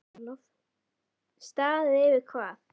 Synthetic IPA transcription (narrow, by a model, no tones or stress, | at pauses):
nɔθ | st̪aːðɪðɪːvɪðkʰvaːθ